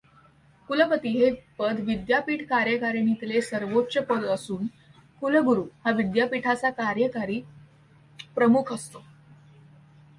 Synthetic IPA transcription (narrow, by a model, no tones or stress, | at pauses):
kuləpət̪iːɦepəd̪ʋid̪japiːʈkaɾjəkaɾenit̪lesəɾʋotːɕəpəd̪əsuːn | kuləɡuɾuːhaʋid̪japiʈʰat͡sakaɾjəkaɾiː | pɾəmukʰəst̪o